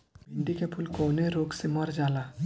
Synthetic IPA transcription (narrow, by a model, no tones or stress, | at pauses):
bɪɳɖikepʰʊlkoːneɾoːɡsemɐɾd͡ʒaːla